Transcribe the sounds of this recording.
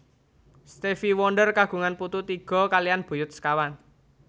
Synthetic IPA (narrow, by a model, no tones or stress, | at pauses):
st̪efiwɔnɖərkaɡ̥ṳŋanput̪ut̪iɡ̥ɔ̤kalijanb̥ṳjʊt̪̚skawan